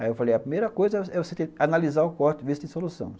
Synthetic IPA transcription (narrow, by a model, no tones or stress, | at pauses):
aewfalejɐpɾimejɾɐkojzɐɛvoset̪ẽanalizaɾʊkɔɾt̪ʊvist̪ẽsolusɐ̰̃w̃s